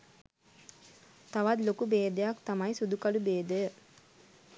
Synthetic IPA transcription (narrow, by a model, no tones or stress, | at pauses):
t̪aʋat̪lokubeːd̪əjakt̪amajsud̪ukalubeːd̪əjə